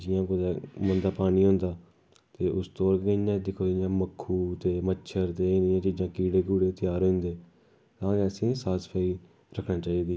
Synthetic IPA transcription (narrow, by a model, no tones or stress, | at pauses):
d͡ʒɪjãːkod̪ɛːmənd̪aːpaːniːɦõnd̪aː | t̪eːʔʊst̪oːɾkɡəãːd̪ɪkʰoːɪjãːməkʰːuːt̪eːmətːʃʰəɾt̪eːɪnɪjãːt͡ʃiːd͡ʒãːkiːɽeːɡuːɽeːt̪ɪjaːɾɦʊ̃nd̪eː | kãːkeəsĩːsaːspʰaːiː | ɾəkʰnaːt͡ʃaːiːd̪iː